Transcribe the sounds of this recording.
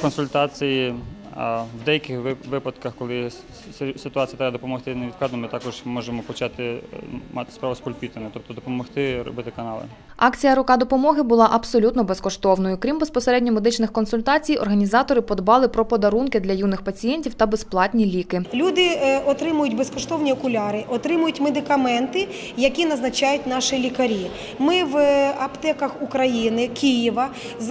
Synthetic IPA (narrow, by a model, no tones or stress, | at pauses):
kɔnsʊlʲt̪ɑt͡sʲiji | wd̪ɛjɐkɪxʋɪpɐd̪kɐxkɔlˠɪ | sɪt̪ʊɑt͡sʲijɐt̪ɾɛbɐd̪ɔpɔmɔxt̪ɪneʋʲid̪k̪ˠɑd̪nɔmɪt̪ɑkɔʒmɔʒemɔpɔt͡ʃɑt̪ɪmɑt̪ɪ̥spɾaʋʊspɔlʲpʲit̪enɛt̪ɔp̚t̪ɔd̪ɔpɔmɔxt̪ɪɾɔ̰bɪt̪ɪkɐnɑlˠɪ̰ | ɑkt͡sʲijɐɾʊkɑd̪ɔpɔmɔɦɪbʊlˠɑʔɐbsɔlʲut̪nɔbɛskɔʃt̪ɔwnɔjʊkɾʲimbespɔseɾɛdʲnʲɔmed̪ɪt͡ʃnɪxkɔnsʊlʲt̪ɑt͡sʲijɔ̰rɦɐnʲizɑt̪ɔɾɪpɔd̪bɑlˠɪpɾɔpɔd̪ɐɾunkɪd̪lʲɐjunɪxpɐt͡sʲijɛnʲtʲiwt̪ɐbesplˠɑt̪ʲnʲilʲikɪlʲud̪ɪɔt̪ɾɪmʊjʊtʲbeskɔʃt̪ɔwnʲiɔkʊlʲɑɾɪʔɔt̪ɾɪmʊjʊtʲmed̪ɪkɐmɛnt̪ɪ | jɐkʲinɐznɐt͡ʃɑjʊtʲnɑʃɪlʲikɐɾʲi | mɪʋɐbt̪ɛkɐxukɾɐjinɪkʲijiʋɐ | z